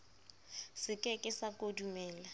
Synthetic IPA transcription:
sɪkʼɛkʼɪsakʼodumɛːla

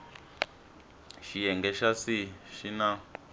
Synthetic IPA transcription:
ʃijɛŋɡɛʃasiʃina

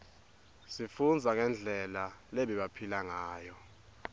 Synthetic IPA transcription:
sifund͡zʱaŋɛnd͡ɮʱɛlaleɓiɓapʰilaŋaːjɔ

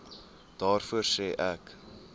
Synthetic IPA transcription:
d̥ɑːrfuərsɛːʔæk

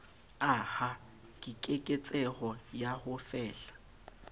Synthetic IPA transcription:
aha | kʼikʼekʼet͡sʼɛhɔjahʊfɛːɬḁ

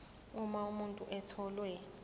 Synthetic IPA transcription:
umaumuntʼuʔɛtʰɔlwɛ

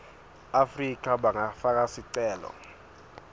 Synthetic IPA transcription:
afrik̬ʼaɓaŋafak̬ʼasiǀɛːlɔ̰

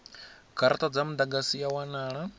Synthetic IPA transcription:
ɡʰaɾatʼad͡zamud̪aɡasijawanaːɺa

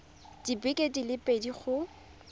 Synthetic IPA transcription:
d̥ibɪkʼedilɪpʼediχʊ

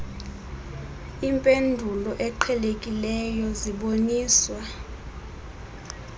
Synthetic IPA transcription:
impʼendʱulɔʔɛǃʰɛlekʼilɛjɔziɓoniːswa

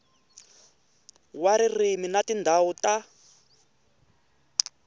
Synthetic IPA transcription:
waɾiriminatindʱauta

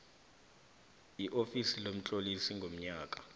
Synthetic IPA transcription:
iʔofisilom̩t͡ɬʼolisiŋɡʱom̩ɲaːkʼa

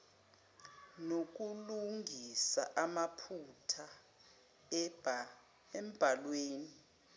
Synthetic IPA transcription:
nok̬uluŋɡʱisa̰ʔamapʰutʰa | ɛm̩b̥ʱalweːni

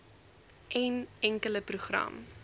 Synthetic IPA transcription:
ʔɛnɛŋkələpruχrɐ̰m

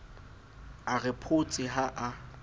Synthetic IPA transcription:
arɪpʰʊt͡sʼɪɦaʔa

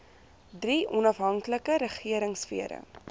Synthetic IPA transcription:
driɔnɐfɦɐŋkləkəɾəχiəɾəŋsfḭəɾə̰

